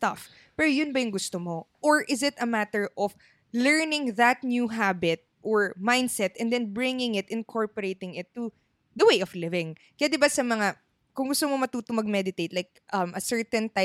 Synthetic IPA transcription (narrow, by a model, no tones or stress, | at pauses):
st̪ɐf | pɛɾojʊnbɐjʊŋɡʊst̪omoʔoɹʔɪzɪt̪ɐmat̪ɛɹʔɔf | lɛɹnɪ̃ŋðɐt̪̚njuɦabɪt̪̚ʔoɹmãjnd̪sɛt̪ɛnd̪ɛ̃nbɹɪŋɪ̃ŋɪt̪ʔɪnkʰoɹpɔɹejt̪ɪ̃ŋɪt̪ːu | ðɐwejʔɔflɪvɪ̃ŋ | kɐjad̪ɪbasɐmɐŋa | kʊŋɡʊst̪omo̞mɐt̪uːt̪ʊmɐɡ̚mɛd̪ɪt̪ejt̪lajk̚ʔɐmʔɐsɛɹt̪ɛ̃nt̪aj